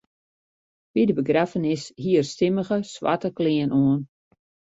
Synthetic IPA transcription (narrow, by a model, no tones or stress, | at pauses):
ʋidəbəɡrafənɪshiərstɪməɣəsʋa̰təkliənʔoən